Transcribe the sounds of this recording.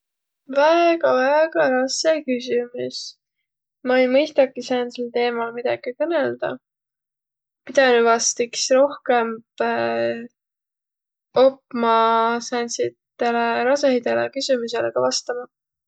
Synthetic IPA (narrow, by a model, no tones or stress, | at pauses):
væeɡ̥ɑvæeɡ̥ɑɾɑskekysʲimus | mɑejmɤjst̪ɑkisæːnselt̪e̞ːmɑlmid̪̥ɑɡ̥ikɤneld̪̥ɑ̰ | pid̪̥ɑnyvɑst̪iksro̞hke̞mb | opːmɑsænsit̪ːeleɾɑs̬ehid̪elḛkysymuseleɡ̥ɑvɑst̪ɑmɑ